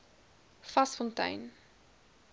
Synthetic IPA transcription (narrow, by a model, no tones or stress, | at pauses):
fɐsfɔntœ̰ɥn